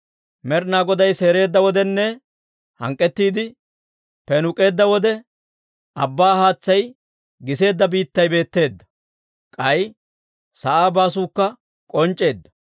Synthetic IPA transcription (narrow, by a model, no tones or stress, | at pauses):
mɛɾnaːɡɔd̪ɐjse̞ːɾe̞ːd̪ːɐwɔd̪ɛnːɛ | hɐ̰ŋkʼːɛt̪ːiːd̪ɪ | pɛnʊkʼe̞ːd̪ːɐwɔd̪ɛ | ʔɐbːaːɦaːt͡sːɐj | ɡɪse̞ːd̪ːɐbiːt̪ːɐjbe̞ːt̪ːe̞ːd̪ːɐ̥ | kʼɐj | sɐʔaːbaːsuːkːɐ | kʼɔnt͡ʃʼːe̞ːd̪ːɐ̥